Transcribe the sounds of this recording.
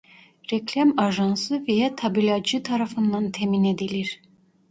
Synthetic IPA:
ɾeklʲamɑʒɑnsɯvejat̪ʰɑbilʲɑd͡ʒɯt̪ʰɑɾɑfɯnd̪ɑnt̪ʰemined̪iliɾ

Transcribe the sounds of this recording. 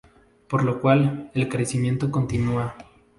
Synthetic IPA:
po̞ɾlo̞kwale̞lkɾe̞simje̞nt̪o̞ko̞nt̪inua

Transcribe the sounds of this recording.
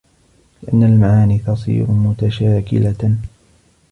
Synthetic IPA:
lɪʔanːalmaʕaːniːt̪ɑsˤḭːɾʊmʊt̪aʃaːkɪ̰la

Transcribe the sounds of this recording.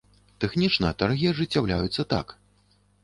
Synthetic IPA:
t̪ɛxnʲit͡ʂnɐɐt̪arɣʲiɐʐɨt͡sʲːawlʲajut̪sːɐt̪a̰k

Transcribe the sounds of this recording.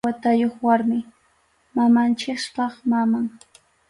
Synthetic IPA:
at̪ajoχwaɾmɪ | mamant͡ʃɪkspɑχmamaŋ

